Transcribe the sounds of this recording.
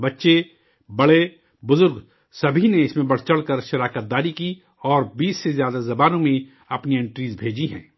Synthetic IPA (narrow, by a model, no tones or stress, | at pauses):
bɐtːʃe | bɐɽe | bʊzʊɾɡ | sɐbʱineɪsmẽbɐɽ̤t͡ʃəɽkəɾʃɐɾaːkət̪̚d̪aːɾiki | ɔːɾbiːsːezjaːd̪azɐbaːnõmẽ | ɐpniɪ̃ɳʈɾiːd͡ʒbʱeːd͡ʒiɦɛ̰̃ː